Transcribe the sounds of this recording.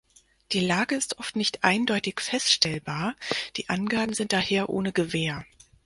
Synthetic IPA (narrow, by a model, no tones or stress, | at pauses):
d̥iːlaːɡəɪstʔɔftnɪçtʔaɪndɔʏtɪçfɛstʃtʰɛlbaːɐd̥iːʔanɡaːbm̩zɪnt̚d̥aheːɐʔo̰ːnəɡəveːɐ